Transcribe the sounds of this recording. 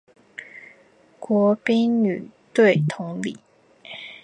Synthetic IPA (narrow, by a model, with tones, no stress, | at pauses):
kwɔ˧˥pi˥ŋny˨˩t̪we˥˩ɪt̪ʰʊ˧˥ŋlḭ˨˩˦